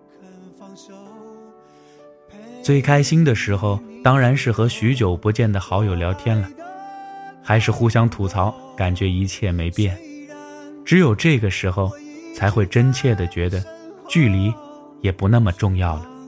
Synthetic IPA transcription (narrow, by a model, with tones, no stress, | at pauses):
t͡swe˥˩ɪkʰa˥ɪɕi˥nd̪ə˨ʂɻ̩˧˥xo˧ʊt̪ɑ˥ŋɻa˧˥nʂɻ̩˥˩xɤ˧˥ɕy˧˥t͡ɕjo˨˩ʊpu˧˥t͡ɕjɛ˥˩nd̪ə˩xɑ˧˥ʊjo˨˩ʊljɑ˧˥ʊt̪ʰjɛ˥nlə˨˩ | xa˧˥ɪʂɻ̩˥˧xu˥ɕjɑ˥ŋt̪ʰu˧˥t͡sʰɑ˧˥ʊ | ka˨˩nt͡ɕɥɛ˧˥i˧˥t͡ɕʰjɛ˥˩me˧˥ɪpjɛ˥˩n | ʈ͡ʂɻ̩˧˥jo˨˩ʊʈ͡ʂɤ˥˩ɡə˩ʂɻ̩˧˥xo˧ʊt͡sʰa˧˥ɪxwe˥˩ɪʈ͡ʂə˥nt͡ɕʰjɛ˥˩d̪ə˩t͡ɕɥɛ˧˥d̪ə˧t͡ɕy˥˩li˧˥ | jɛ˨˩pu˧˥na˥˩mə˩ʈ͡ʂʊ˥˧ŋjɑ˥˩ʊlə˩